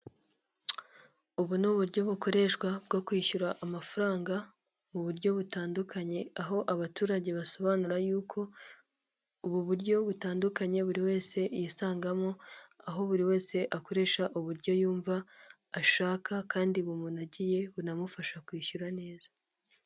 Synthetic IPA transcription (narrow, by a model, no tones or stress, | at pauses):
uβunuβuɾɟo̞βuko̞ɾe̞ʃkwab̚ɡokwiːçuɾaʔamafaɾaːŋɡa | muβuɾɟo̞βutaːndukʰaɲe̞aɦo̞ʔaβatuːɾaɟe̞βaso̞βaːnuɾajuːkʰo̞ | uβuβuɾɟo̞βutaːndukaɲe̞βuɾiwe̞ːse̞jisaːŋɡamoaɦo̞βuɾiwe̞ːse̞ʔako̞ɾe̞ʃaʔuβuɾɟo̞juːɱvaː | ʃaːkʰakaːndiβumunaɟije̞βunamufaʃakwiːçuɾane̞ːzḁ